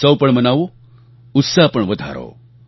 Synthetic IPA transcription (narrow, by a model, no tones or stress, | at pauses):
səwpəɳmənaʋo | ut̪sapəɳʋəd̪ʱa̰ɾo̰